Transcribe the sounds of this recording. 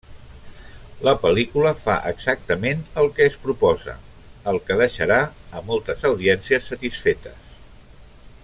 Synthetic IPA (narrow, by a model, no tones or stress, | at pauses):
ləpəlikuləfa̰ʔəɡz̥ak̚t̪əmenəlˠkɛspɾupɔzə̰ | əlˠkəðəʃəɾaəmɔlˠt̪əzəwðiɛnsiəsːət̪isfet̪əs